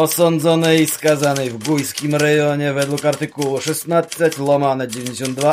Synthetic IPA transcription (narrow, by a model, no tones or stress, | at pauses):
ɔsɔnd̪zɔnɛiskazanɛvɡujskʲimɾɛjɔɲɛvɛd̪lukaɾt̪ɨkuluʂɛst̪nat̪sɛt͡ɕlɔmanɛd͡ʑevʲeɲʲd͡ʑeɕ̬ɔ̃nd̪d̪va